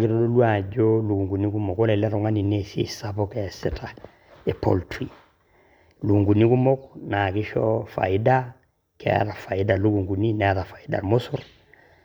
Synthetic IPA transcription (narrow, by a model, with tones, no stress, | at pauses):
ki˦ɾo˦do˦lu˦a˨ɟo˦lu˨ɡu˨ŋɡu˨ni˦ku˦mo˨ko˦le˨lɛ˦ɾo˨ŋa˦ni˨ne˨sḭ˦˨sa˦po˦ke˨si˦tʰa˨ | e˨po̰˨ltɾḭ˨ | lu˨ku˨ɡu˨ni˦ku˦mo˦kna˨ki˦ʃɔ˦fa̰˨i˦da˦ | kḛ˦a̰˨ɾa˨fa˨i˦da˨lu˦ɡu˨ŋɡu˨ni˦nɛ˨˦ɾa˨fa˨i˦da̰˨mo˦su˦r